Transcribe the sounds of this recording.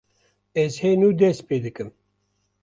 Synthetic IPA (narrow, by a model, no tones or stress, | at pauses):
ɛzheːnuːd̪ɛs̚peːd̪ɨkɨm